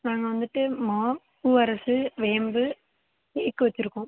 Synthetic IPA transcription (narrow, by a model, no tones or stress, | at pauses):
naːŋɡɐʋɐnd̪ɯʈːɯmaː | kuːʋɐɾɐsɯʋeːmbɯ | ikːɯʋɐt͡ʃːɪɾɯkːõː